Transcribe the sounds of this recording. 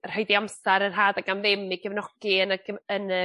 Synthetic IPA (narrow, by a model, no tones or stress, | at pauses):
r̥hɔɨdiamsaɾənɦaːdaɡamðɪmiɡəvnɔɡ̥iənəɡəənə